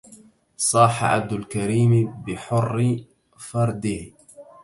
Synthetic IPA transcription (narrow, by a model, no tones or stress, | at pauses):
sˤɑːħa̰ʕa̰b̚d̪ʊlkaɾiːmbɪħʊrː | fɑɾˤd̪ɪh